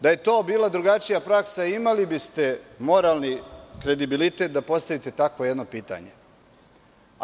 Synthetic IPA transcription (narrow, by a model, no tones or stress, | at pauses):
d̪aje̞t̪o̞ːbiːlad̪ɾuɡat͡ʃijapɾaksaimalibist̪e̞mo̞ɾaːlˠnikɾe̞d̪ibilit̪e̞t̪̚d̪apo̞st̪aʋit̪e̞t̪akʋojed̪no̞piːt̪a̰ɲe